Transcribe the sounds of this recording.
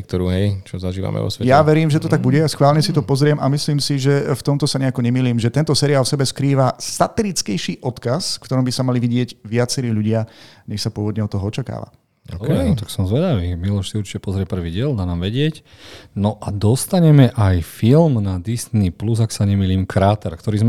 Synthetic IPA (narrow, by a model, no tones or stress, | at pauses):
ɛk̚t̪ɔɾuːɦɛjt͡ʃɔzaʒiːʋa̰mɛ̰ʋɔ̰sʋɛjaʋɛɾiːmʒɛt̪ɔt̪aɡ̚buɟɛjasxʋaːlɲɛsit̪ɔpɔzɾɪɛmamisliːmsiʒɛft̪ɔmt̪ɔsaɲɛakɔɲɛmiːliːmʒɛt̪ɛnt̪ɔsɛːɾiaːlfsɛbɛskɾiːʋasat̪ɛɾit͡skɛjʃiːʔɔt̪kasfkt̪ɔɾɔmbisamaliʋiɟɪɛɟʋɪat͡sɛɾiːʎuɟɪaɲɛxsapʊɔʋɔd̪ɲɛɔt̪ːɔɦɔɔt͡ʃaka̰ːʋa̰ | kɛt̪aksɔmzʋɛd̪aʋimilɔʃsiuɾt͡ʃi̥cɛpɔzɾɪɛpr̩ʋiɟɪɛld̪aːnaːmʋɛɟɪɛcnɔʔad̪ɔst̪aɲɛmɛʔajfilmnad̪isnipluzaksaɲɛmiːliːmkʰɾaːt̪ɛɾkt̪ɔɾiːzm